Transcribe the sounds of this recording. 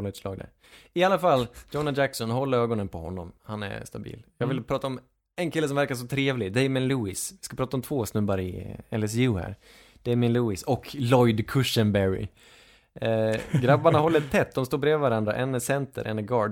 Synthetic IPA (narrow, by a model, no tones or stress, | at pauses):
lɛʂlɑːɡd̪æ̰ɾ | ɪalːafalːd͡ʒɔnad͡ʒæksɔnhɔlːəɾøːɡɔnənpɔhɔ̰nːɔmhanɛ̰st̪abḭːljɑːɡvɪlpʰɾɑːt̪aɔm | ɛnkʰɪlːəsɔmvæɾkaʂ̬ɔt̪ʰɾeːvlɪd̪ɛɪmɪnluːɪsvɪskapʰɾɑːt̪aɔmt̪ʰvoːsnɵbːaɾɪɛlɛs̬jʉːhæ̰ɾ | d̪̥ɛɪmɪnluːɪsɔkʰlɔjd̪kʰɵʂənbɛɾɪ̰ | ɡɾabːaɳahɔlːət̪ʰːɛt̪ːd̪ɔmst̪oːbɾeːvɪvaɾand̪ɾaʔɛnɛsɛnt̪ə̰ɾʔɛnːɛɡɑːɖ